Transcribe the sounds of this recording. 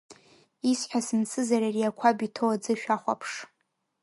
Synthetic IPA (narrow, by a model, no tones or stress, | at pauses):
isħʷᶣasɨnsʰɨzaɾariakʷʰabitʰowad͡zɨʃᶣaχʷa̰pʰʂ